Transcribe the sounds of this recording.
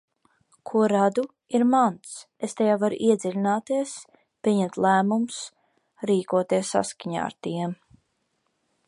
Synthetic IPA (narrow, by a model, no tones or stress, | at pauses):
kʰuɔɾad̪u | iɾmant̪s | est̪ejaːvaɾṵʔiɛd̪zʲɛlʲinaːt̪iɛs | pʲiɛɲɛmt̪lˠæːmums | ɾiːkuɔt̪iɛsːa̰skaɲa̰ːa̰ɾt̪iɛm